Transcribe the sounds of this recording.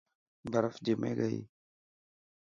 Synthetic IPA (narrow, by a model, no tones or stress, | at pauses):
baɾafdimḛɡa̰j̰